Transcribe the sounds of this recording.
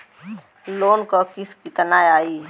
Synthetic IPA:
loːnkokɪskit̪ənaːjaːiː

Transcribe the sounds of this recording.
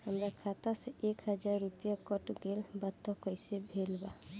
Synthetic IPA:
həmɾakʰat̪aseʔekhəd͡ʒaɾːupijakɔʈɡelbat̪ːɔkɔjsɛbʱelba

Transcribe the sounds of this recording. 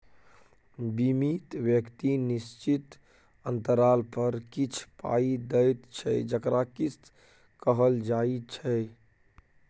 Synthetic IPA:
bimit̪wjəkt̪inist͡ʃit̪ | ənt̪əɾalpəɾkit͡ʃʰpa̰id̪əjt̪t͡ʃʰɛd͡ʒəkɾakis | kəɦəld͡ʒait͡ʃʰɛ

